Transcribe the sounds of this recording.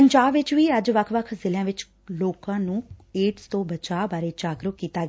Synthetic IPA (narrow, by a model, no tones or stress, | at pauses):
pəɲd͡ʒaːbʋɪt͡ʃʋiːəd͡ʒʋəkʰʋəkʰzɪljãːʋɪt͡ʃ | loːkãːnũːeːʈst̪õːbət͡ʃaːbaːɾeːd͡ʒaːɡɾʊkkiːt̪aːɡ